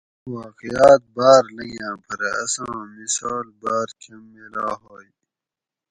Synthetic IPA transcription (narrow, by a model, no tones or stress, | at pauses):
waːqijaːt̪̚baːɾlɐjãːpʰɐɾeɐ̰sãːmisaːlbaːɾkʰɐmːelaːɦoːj